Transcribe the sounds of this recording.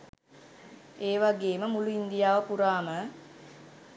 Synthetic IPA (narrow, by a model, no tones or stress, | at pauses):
eːʋaɡeːməmuluind̪ijaːʋəpuɾaːmə